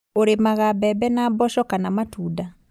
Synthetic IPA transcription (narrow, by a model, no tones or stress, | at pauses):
oɾemaɣabɛbɛnabɔʃɔkanamatuːda